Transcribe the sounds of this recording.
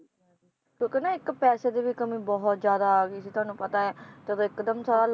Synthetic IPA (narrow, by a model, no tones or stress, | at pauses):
kjõːkenaːɪkpɛːseːd̪eːʋiːkəmĩːbɔɦɔt̪d͡ʒjaːd̪aːɡiəsit̪ʊaːnũːpət̪aːɛːt̪əd̪õːɪkd̪əmsaːɾaːl